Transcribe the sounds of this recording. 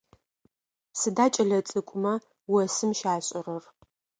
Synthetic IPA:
sɨdaːt͡ʃʼɐɮɐt͡sʼɨkʷʼʊmɐ | wɔsɨmʃaːɕʼɪrɐr

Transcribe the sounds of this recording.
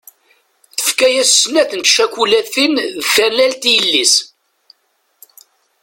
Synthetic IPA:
θə̥fkæjæssːnæθənt̪ʃækʷulæθinðθæɾlælt̪ijəlːis

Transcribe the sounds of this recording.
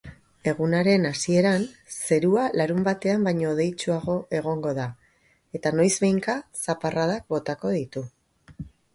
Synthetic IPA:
e̞ɣunaɾe̞nasie̞ɾanse̞ɾualaɾumbat̪e̞ambajɲo̞ːðe̞jt͡ʃuaɣ̞o̞ʔe̞ɣ̞o̞ŋɡo̞ða | e̞t̪ano̞jzβe̞jŋkasaparaðak̚bo̞t̪ako̞ðit̪u

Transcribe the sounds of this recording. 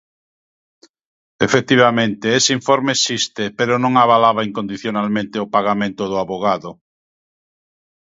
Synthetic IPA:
efek̚t̪iβ̞amẽnt̪eeseiɱfɔɾmesist̪epeɾʊnõŋaβalaβaiŋkond̪iθjonalmẽnt̪eopaɣamẽnt̪ʊðʊaβoɣaðʊ

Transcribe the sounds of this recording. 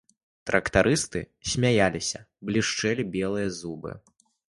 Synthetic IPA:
t̪ɾɐkt̪aɾʔɨst̪ɨ̰ | sʲmʲajalʲisʲɐ | blʲiʂt͡ʂɛlʲibʲɛlˠɨjɐzubɨ̰

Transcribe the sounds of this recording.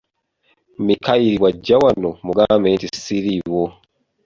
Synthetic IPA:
mikaiɾiwaɟawanomuɡameːntisiɾiwo

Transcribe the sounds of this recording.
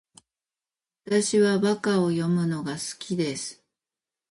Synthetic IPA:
at̪aɕiβaβakao̞jo̞mɯ̟no̞ɡasɨ̥kʲid̪e̞sɨ̥

